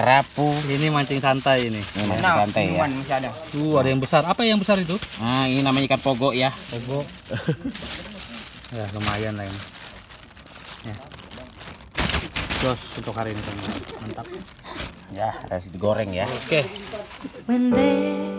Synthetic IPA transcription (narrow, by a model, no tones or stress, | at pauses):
əɾapuinimaɲt͡ʃɪŋsant̪ajininimaasant̪ajaanmasiada | uadajaŋbəsarapajaŋbəsaɾit̪̬uaininamaɲakanpoɡɔʔjapoɡɔʔ | jaləmajanlaini | ja | d̪ɔsunt̪ʊkhaɾiinik̪anamant̪ak̚ | jarasidiɡoɾɛŋjaoke | bəndɛ